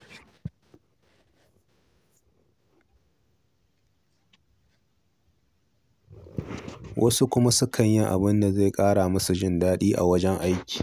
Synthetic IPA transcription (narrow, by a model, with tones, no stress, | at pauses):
wʔɐ˦su˦kʷʊ˦ma˦sʊ˦kʰɐ˨ɲjɪ˦ŋʔa̰˨bɪ˦nda˨ze˦˨kʼaː˦ɽaː˨mɐ˦su˨ʒɪ˦˨ndaː˦ɗiː˦ʔa̰˨wɐ˦d͡ʒɛ˦ŋʔa˦jkʲi̥ː˨